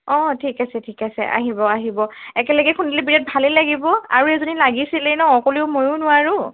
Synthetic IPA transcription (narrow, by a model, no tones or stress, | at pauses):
ɔ̃tʰikasɛtʰikasɛ̰ʔa̰ɦibɔaɦibɔɛkɛləɡɛkʰundilibiɹɛt̚bʱalilaɡibɔa̰ɹuɛzonilaɡisilɛnɔɔkoliʊmojʊnʊwaɹʊ